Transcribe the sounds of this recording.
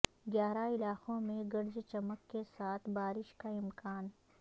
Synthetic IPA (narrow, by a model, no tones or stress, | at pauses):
ɡjaːɾaɪlaːqõmẽɡɐɾd͡ʒt͡ʃɐməkːesaːt̪ʰbaːɾɪʃkaɪmkaːn